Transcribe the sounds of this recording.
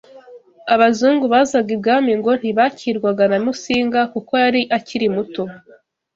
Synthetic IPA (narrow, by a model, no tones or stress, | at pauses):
aβazuːŋɡuβaːzabɡib̚ɡaːmiŋɡo̞n̥iβaciːɾɡwaɡanamusiːŋɡakuko̞aɾiʔaciɾimuto